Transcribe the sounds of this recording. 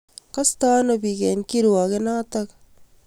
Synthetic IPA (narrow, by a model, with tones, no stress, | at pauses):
ka˦sta˦no˨pi˨kɛ˨nki˦ɾwɔ˨ke˦na˦ta˦k